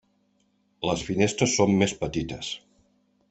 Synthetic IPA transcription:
ləsfinest̪ɾəsːomːespət̪it̪əs

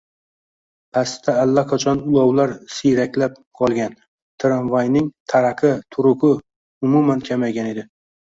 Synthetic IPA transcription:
pʰast̪ʰaːlːaqʰat͡ʃʰɒnʊlˠɒwlaɾsijɾakʲlap̚ | qʰɒlˠɡʲan | t̪ʰɪɾanvajnɪŋt̪ʰaɾaqʰɨt̪ʰʊɾʊkʊ | ʊmumankʲʰamajɡʲane̞d̪ɪ

